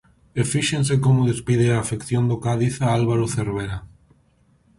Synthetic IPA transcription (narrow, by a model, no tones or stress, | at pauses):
efiʃens̬ekomʊðespiðɪaːfekθjond̪ʊkaðiθaalβaɾoθeɾβeɾa